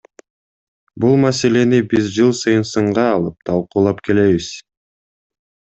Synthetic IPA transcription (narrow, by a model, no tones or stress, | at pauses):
bulˠmase̞le̞nibizd͡ʒɯlˠsɯjɯnsɯɴʁɑːlˠɯp̚t̪ʰɑlˠquːlˠɑpkʰe̞le̞βiz̥